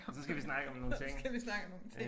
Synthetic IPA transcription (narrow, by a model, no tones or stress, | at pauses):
sɒsɡ̥æʋisnɑ̈ɡ̥əɒ̽mno̝ːt͡sʰeŋ̰ɡæʋisnɑ̈ɡ̥əɒ̽mno̝ːnt͡sʰe